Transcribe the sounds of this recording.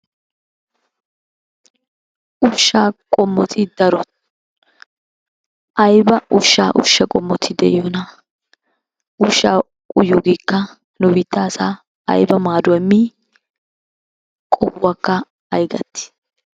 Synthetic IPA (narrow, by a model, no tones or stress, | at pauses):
ʔʊʃːaːkʼɔmːɔt̪ʰɪd̪ɐɾɔ | ʔɐjbɐʔʊʃːa̰ːʔʊ̰ʃːɐkʼɔmːɔt̪ʰɪd̪ɛ̰ʔjɔnɐ | ʊʃːaː | kʼʊjʊɡiːkːɐ | nʊbɪt̪ːaːsaː | ɐ̰jbɐmaːd̪ʊɛmːi | kʼɔbːakːɐ | ɐjɡɐ̰t̪ːɪ̥